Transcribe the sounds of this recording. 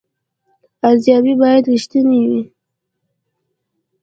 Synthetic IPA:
azjɑbibɑjad̪ɾiʃt̪əniwi

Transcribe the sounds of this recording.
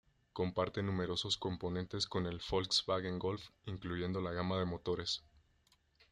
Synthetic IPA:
ko̞mpaɾt̪e̞nũme̞ɾo̞so̞sko̞mpo̞nẽ̞nt̪e̞sko̞ne̞lfolksbaɣeŋɡo̞lfiŋkluʝe̞nd̪o̞laɣamaðe̞mo̞t̪o̞ɾe̞s

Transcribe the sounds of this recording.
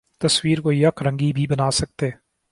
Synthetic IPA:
t̪əswiːɾkojɐkʰɾə̃ŋɡibʱiːbənaːsək̚t̪eː

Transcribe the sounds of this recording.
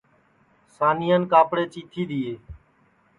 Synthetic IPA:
saːniːjənkaːpɽeːt͡ʃiːt̪ʰiːd̪iːeː

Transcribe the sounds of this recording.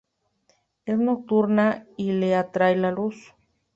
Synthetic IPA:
esnok̚t̪uɾnaileat̪ɾajlalus

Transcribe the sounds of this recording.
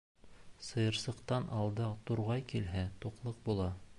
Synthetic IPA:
sɤ̆jɤ̆ɾsɤ̆qt̪ɑnʔɑlˠd̪ɤt̪uɾʁɑjkilɦæt̪uqlˠɤq̚bulˠɑ

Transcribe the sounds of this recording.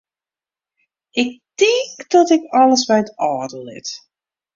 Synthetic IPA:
ɪk̚tikdɔtɪkɑləsbɛjətɔːdəlˠɪ̰t

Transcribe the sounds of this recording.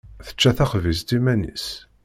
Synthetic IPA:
θə̥t͡ʃːæθæχvis̬d̪imænḭs

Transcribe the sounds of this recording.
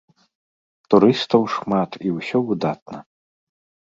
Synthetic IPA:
t̪uɾɨst̪ɐwʂmat̪iwsʲɔvɨd̪at̪̚nɐ

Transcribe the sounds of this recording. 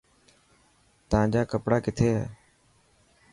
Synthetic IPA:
t̪əãːd͡ʒaːkəpɽaːkɪt̪ʰeːɦɛ̰ː

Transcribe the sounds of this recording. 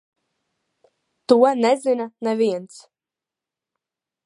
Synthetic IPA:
t̪uɔnɛzinanɛvʲiɛnt̪s

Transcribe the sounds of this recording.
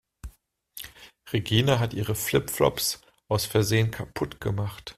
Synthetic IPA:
ʁeɡiːnaɦatʔiːʁ̞əflɪpflɔ̰ps | ʔaʊsfɛɐzeːənkʰapʰʊtɡ̥əmaχt

